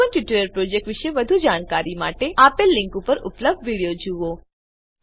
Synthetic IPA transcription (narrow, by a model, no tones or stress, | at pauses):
ənʈjuʈəɾəɾpɾod͡ʒek̚ʈʋiʃeʋəd̪ʱud͡ʒaɽ̃kaɾimaʈeapelːɪŋkupəɾʊ̰pləb̚d̪ʱʋiɽijod͡ʒuʋo